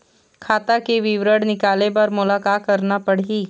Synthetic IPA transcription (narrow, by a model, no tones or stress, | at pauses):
kʰaːt̪akeʋɪʋɾəɽnɪkaːlepɐɾmʊlaːkaːt̪̚kɐɾnapɐɽiː